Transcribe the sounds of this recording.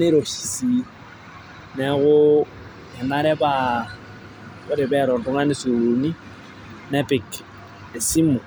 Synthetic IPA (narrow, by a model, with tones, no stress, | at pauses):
ne˦ɾo˨ʃi̥˨si˨ | nɛ˨˦ɣʊ˦ | ɛ˨na˦ɾɛ˦ba˦ | kʊ˦ɾɪ˨bɛ˦˨ɾɔ˨n˨dʊ˦ŋa˦nɪ˦su˨ɾu˨ni˦ | nɛ˦pɪ˨k | e˨si˦mu˨